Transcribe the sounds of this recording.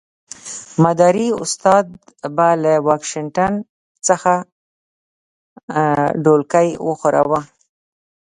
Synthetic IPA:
mad̪aɾiʊ̰st̪ɑd̪ | balawɑkʃɪɳʈan | t͡səxa | ɖolkajwəxoɾa̰wə

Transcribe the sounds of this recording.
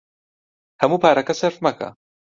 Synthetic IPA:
hɐmupaːɾɐkɐsɐɾfmɐka̰

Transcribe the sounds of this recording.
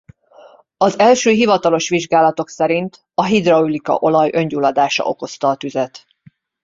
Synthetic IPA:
ɒzɛlʃøːɦivɒt̪ɒlo̞ʃʋiʒɡaːlɒt̪o̞ksɛɾint̪ | ɒɦid̪roulikɒ̰ʔo̞lɒjø̞ɲɟuːlɒd̪aːʃɒ̰ʔo̞ko̞st̪ɒːt̪yzɛt̪

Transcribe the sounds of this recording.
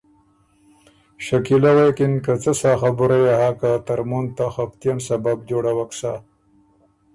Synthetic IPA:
ʃakilawekinkat͡səsaxabuɾajaɦakat̪ɐɾmunt̪axapt̪ijansɐbab̚doɽawaksa

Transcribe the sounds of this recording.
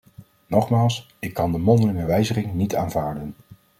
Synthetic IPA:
nɔχmaːlˠs | ɪkːɑndəmɔndəlɪŋəʋɛjzəχɪŋnitaːnvaːɹdən

